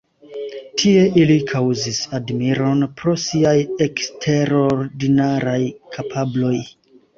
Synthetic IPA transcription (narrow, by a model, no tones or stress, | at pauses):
tʰie̞ʔilikʰawzisadmiɾo̞npɾo̞siaje̞kstʰe̞ɾo̞ɾdinaɾajkʰapʰablo̞j